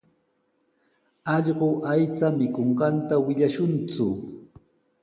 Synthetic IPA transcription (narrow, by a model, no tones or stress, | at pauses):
ɑʎɢoʔajt͡samɪkoɴɢɑnt̪awɪʎaʃʊnt͡sʊ